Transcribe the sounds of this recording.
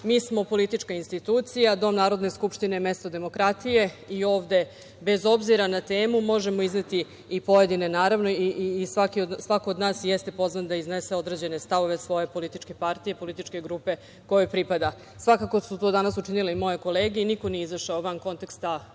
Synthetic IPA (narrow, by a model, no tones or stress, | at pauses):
miːsmo̞po̞lit̪it͡ʂkainst̪it̪uːt̪sijad̪o̞mnaːɾo̞d̪ne̞skupʃt̪ineme̞st̪o̞d̪e̞mo̞kɾat̪ije̞ | io̞ːʋd̪e̞ | be̞zo̞bziɾanat̪eːmumo̞ʒe̞mo̞iznet̪i | ipo̞je̞d̪ine̞naːɾaʋno̞iʔːsʋakiosʋakoːd̪naːsjest̪e̞po̞znand̪aiznese̞o̞d̪ɾe̞d͡ʑe̞ne̞st̪aʋo̞ʋe̞sʋo̞je̞po̞lit̪it͡ʃke̞paɾt̪ije̞po̞lit̪it͡ʃke̞ɡɾupe̞ | ko̞jopɾipad̪a | sʋakako̞sut̪o̞ːd̪anasut͡ʃinileimo̞jeko̞le̞ːɡeiniko̞nijeizərʃaoʋanko̞nt̪e̞kst̪a